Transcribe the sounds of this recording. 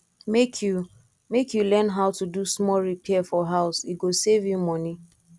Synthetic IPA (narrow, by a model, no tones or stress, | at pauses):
mekʰju | mekjulɛnɦaʊtudusmɔɹipɛfɔɦaʊsiɡosevjumɔni